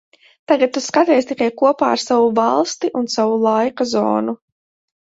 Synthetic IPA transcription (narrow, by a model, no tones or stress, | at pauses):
t̪aɡat̪̚t̪ːuskat̪ɛːst̪ikajkuɔpa̰ːaɾsavuvalˠst̪iʔunsavulˠajkazɔ̰ːnu